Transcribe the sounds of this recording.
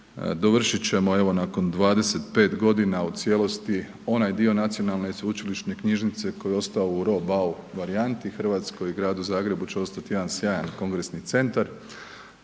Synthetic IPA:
d̪oʋr̩ʃit͡ɕe̞mo̞e̞ʋo̞nako̞nd̪ʋaːd̪e̞se̞t̪pe̞ːt̪ɡo̞d̪inaut̪sje̞lˠo̞st̪i | o̞najd̪io̞nat̪sijo̞nalˠne̞isʋut͡ʃiliʃne̞kɲiʒnit̪se̞ko̞jeo̞st̪aouɾo̞bauʋaɾiant̪ixr̩ʋaːt̪sko̞jiɡɾaːd̪uzaːɡɾe̞but͡ɕe̞o̞st̪at̪ijeansjaːjanko̞ŋɡɾe̞snit̪se̞nt̪aɾ

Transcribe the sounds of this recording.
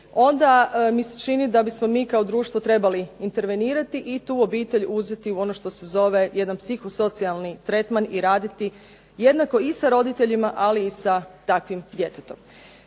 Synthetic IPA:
o̞nd̪amise̥t͡ʃinid̪abismo̞miːkao̞d̪ɾuːʃt̪ʋo̞t̪ɾe̞baliint̪e̞ɾʋe̞niːɾat̪iʔit̪uːo̞biːt̪e̞ʎuze̞t̪iuo̞no̞ʃt̪o̞se̞zo̞ʋe̞je̞d̪anpsixoso̞t̪sialˠnit̪ɾe̞t̪maniɾaːd̪it̪i | je̞d̪nako̞isaɾo̞d̪it̪e̞ʎimaʔaliːsat̪akʋimd̪je̞t̪et̪o̞m

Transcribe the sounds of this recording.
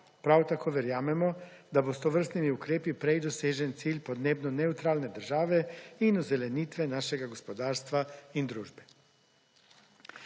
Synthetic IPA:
pɾawt̪akoʋɛɾjaːmɛmɔd̪abost̪oʋr̩st̪nimiukɾeːpipɾejd̪oseːʒɛnt̪siːʎʲpod̪neːbnɔnɛut̪ɾaːlned̪əɾʒaːʋeinuzɛlɛniːt̪ʋɛnaːʃɛɡaɡospod̪aːɾst̪ʋaind̪ɾuːʒbɛ

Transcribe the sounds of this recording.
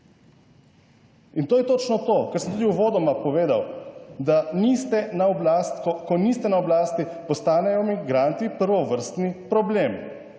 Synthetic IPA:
int̪oːjɛt̪oːt͡ʃnɔt̪oːkɛɾsəmt̪uːd̪iuʋoːd̪ɔmapɔʋeːd̪awd̪anist̪ɛnaɔblast̪ɔkɔnist̪ɛnaɔblaːst̪ipɔst̪aːnɛjɔmiɡɾant̪ipəɾʋɔʋəɾst̪nipɾɔblem

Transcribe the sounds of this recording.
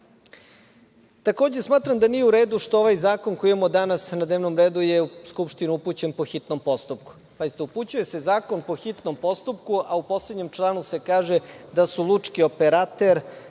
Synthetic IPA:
t̪ako̞ːd͡ʑe̞smaːt̪ɾamd̪anijeuɾe̞ːd̪uʃt̪ooʋajzaːkonkoijmod̪anasnad̪neʋno̞mɾeːd̪ujeuskupʃt̪iniuput͡ɕe̞npo̞xit̪nompo̞st̪up̚ku̥ | zajist̪ouput͡ɕuje̞se̞zaːko̞npo̞xit̪nompo̞st̪upkuʔaupo̞sleɲe̞mt͡ʃlˠaːnuse̞kaːʒed̪asulˠut͡ʂkio̞peɾat̪eɾ

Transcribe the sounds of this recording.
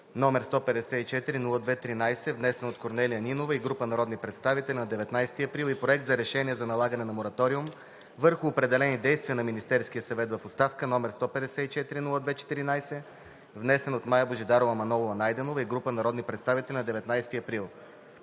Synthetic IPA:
nɔmɛɾst̪ɔpɛd̪ɛsɛit͡ʃɛt̪iɾinulˠəd̪vɛt̪ɾinajsɛvnɛsɛnot̪̚koɾnɛlijəninovəiɡɾupənɐɾɔd̪nipɾɛt̪st̪avit̪ɛlʲinɐd̪ɛvɛt̪najsɛ̥t̪iɐpɾilˠipɾoɛk̚t̪zɐɾɛʃɛniɛzɐnɐlˠaɡənɛnɐmoɾɐt̪ɔɾium | vɤɾxʊːpɾɛd̪ɛlɛnid̪ɛjst̪vʲiənɐminist̪ɛɾskijəsɐvɛt̪vɐfot̪st̪afkənɔmɛɾst̪ɔpɛd̪ɛsɛit͡ʃɛt̪iɾinulˠəd̪vɛt͡ʃɛ̥t̪iɾinajsɛ | vnɛsɛnot̪majəboʒid̪aɾovɐmɐnɔlˠovɐnajd̪ɛnovəiɡɾupənɐɾɔd̪nipɾɛt̪st̪avit̪ɛlʲnɐd̪ɛvɛt̪najst̪iɐpɾilˠ

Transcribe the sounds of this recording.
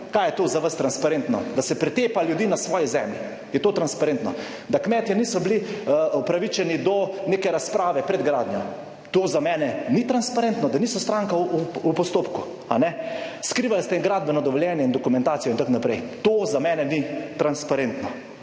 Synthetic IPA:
kajɛt̪oːzaʋəst̪ɾanspaɾent̪nɔd̪asɛpɾɛt̪eːpaljud̪iːnasʋɔːjɛzɛmlji | jɛt̪oːt̪ɾanspaɾent̪nɔ | d̪akmɛːt̪janiːsɔbliɔpɾaʋit͡ʃɛnid̪ɔnekɛɾaspɾaːʋɛpɾɛd̪ɡɾaːd̪njɔ | t̪oːzamɛːnɛnit̪ɾanspaɾent̪nɔd̪aniːsɔst̪ɾaŋkauupɔst̪oːpku | a̰nɛskɾiʋalst̪ɛiŋɡɾaːd̪̚bɛnɔd̪ɔʋɔljɛːnjɛind̪ɔkumɛ̃nt̪aːt̪ijɔint̪akonapɾɛjt̪oːzamɛːnɛnit̪ɾanspaɾent̪nɔ

